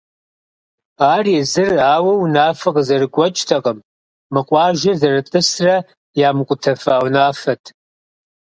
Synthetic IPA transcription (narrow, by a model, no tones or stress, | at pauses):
aːrjezɨraːwɐwnaːfɐqʼzɐrɨɡʷɐt͡ʃʼtʰɐqʼəmː | ɨqʷʼaːʒɐzɐrɨtʼɨsra | jaːmkʷʼʊtʰɐfaːwnaːfɐtʰʼ